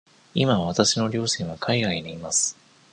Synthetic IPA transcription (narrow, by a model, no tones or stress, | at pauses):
imaβat̪aɕino̞ɾʲo̞ːɕĩɰ̃βakʰaiɡaineimasɨ̥